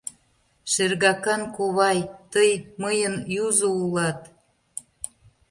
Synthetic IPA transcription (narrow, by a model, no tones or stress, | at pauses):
ʃerɣɑkɑnkoβɑjt̪əjməjənjuzoulɑt̪